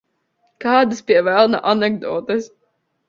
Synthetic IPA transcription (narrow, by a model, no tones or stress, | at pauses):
kaːd̪ɨspʲiɛvælˠna̰ʔanɛɡd̪ɔːt̪ɨs